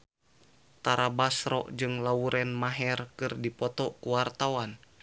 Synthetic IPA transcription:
t̪aɾabasɾɔ̰ʔd͡ʒɨŋlauɾʔɛnmaɦɛrkɨrdipɔt̪ɔkuwart̪awan

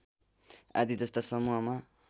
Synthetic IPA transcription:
a̰d̪id͡zʌst̪asʌmuɦʌma

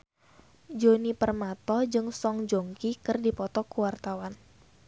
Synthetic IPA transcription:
d͡ʒonipərmat̪ɔd͡ʒɨŋsɔŋd͡ʒoŋkikɨrdipɔt̪ɔkuwart̪awan

